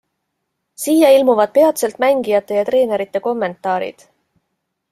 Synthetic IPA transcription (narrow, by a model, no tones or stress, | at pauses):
sijɑilmuvɑd̪̥̚pe̞ɑt̪se̞lt̪ˑmæŋɡijɑt̪ːˑe̞jɑt̪re̞ːne̞ɾit̪ːˑe̞ko̞mːe̞nt̪ːˑɑːɾḭd̪̥